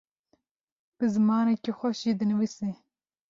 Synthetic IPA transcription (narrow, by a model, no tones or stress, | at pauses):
b̥ɨzɨmɑːnekexʷɐʃiːd̪ɨnɨvise